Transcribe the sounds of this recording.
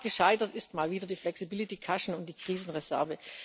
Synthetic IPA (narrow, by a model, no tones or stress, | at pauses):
ɡ̥əʃaɪtɐtɪstmaːlviːdɐdiːflɛksibɪlitikʰaʃn̩ʊnt̚d̥iːkʁ̥iːzn̩ʁɛzɛ̰ɐvə